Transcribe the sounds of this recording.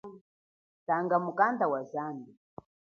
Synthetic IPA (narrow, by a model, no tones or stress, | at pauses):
taŋɡamukandawazaːnbi